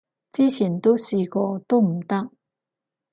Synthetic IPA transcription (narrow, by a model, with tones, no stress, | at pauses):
t͡si˥t͡ɕʰi˨˩˥nt̪o˥wsi˨˩kɔ˧t̪o˥m̩˨˩t̪a˥